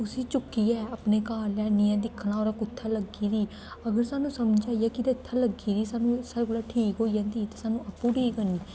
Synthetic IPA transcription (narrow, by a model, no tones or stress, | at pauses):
ʊsiːt͡ʃʊkːiːɛːəpneːkaːlːɛːniɛ̃ːd̪ɪkʰːnaːoːɾaːkʊt̪ʰːaːləɡiːɾiː | əɡəɾsaːnũːsəmd͡ʒaːijɛːkɪd̪eɪt̪ʰːaːləɡiːɾiːsaːnũːsəɾkəlaːʈʰiːkɦoːid͡ʒãːnd̪iːt̪eːsaːnũːʔəpːũːɖiːkəniː